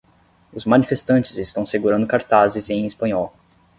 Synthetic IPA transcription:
ʊzmɐ̃nifest̪ɐ̃nt͡ʃɪzɪst̪ɐ̃w̃seɡuɾɐ̃nd̪ʊkaɾt̪azɪzẽj̃ispɐ̃ɲɔw

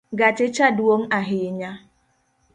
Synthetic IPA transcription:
ɡat͡ʃɪt͡ʃaduoŋ̩aɦɪɪɲa

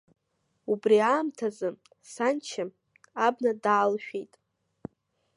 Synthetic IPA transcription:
ubriaːmtʰazɨ | sant͡ʃʰɪm | abnadaːlʃᶣejtʼ

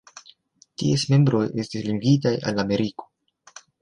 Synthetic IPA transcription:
tiesme̞mbɾo̞je̞stisliŋɡitaja̰lame̞ɾiko̞̥

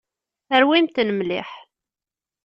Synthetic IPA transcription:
əɾwimt̪nəmlɪ̰ħ

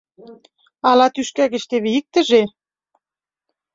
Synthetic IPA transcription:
ɑlɑt̪yʃkæɣĕʃt̪eβeik̚t̪ə̆ʒe

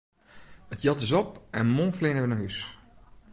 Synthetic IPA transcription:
ətjɑtɪsɔp̚ʔɛnmoːflɪnəʋənəɦys

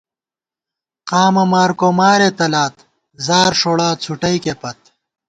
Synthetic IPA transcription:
qaːmɐmaːɾkomaːɾet̪ɐlaːt̪ | zaːɾʂoːɽaːt͡sʰuʈɐjkepɐt̪̚

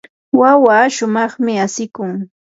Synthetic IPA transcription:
wawaːʃʊmɑχmɪasɪkʊŋ

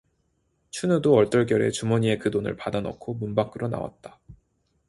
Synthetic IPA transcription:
t͡ɕʰunudoʌɭt͈ʌɭk̬jʌɾe̞̰t͡ɕumʌɲie̞kɯdonɯ̰ɭpadanʌ̰kʰomunbak͈ʰɯɾʔona̰wa̰t̚t͈ḁ

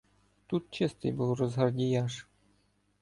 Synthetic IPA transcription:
t̪ut̪̚t͡ɕɘst̪ɨ̰jbɨlˠrɔzɦɑrdʲijɑʂ

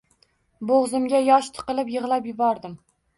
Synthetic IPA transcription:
boʁzɪmɡʲajɒʃt̪ʰɨ̥qɨlˠɪpjɨʁlˠapjɪbɒɾd̪ɪm

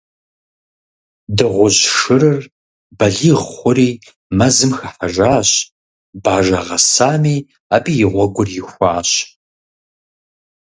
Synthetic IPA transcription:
dɨʁʷʊʑʂɨrɨr | bɐɮiːʁχʷʊɾiː | mɐzɨmxɐħɐʒaːɕ | baːʒɐʁɐsaːmiː | aːbijɪʁʷɔɡʷʊrjɪxʷɑːɕ

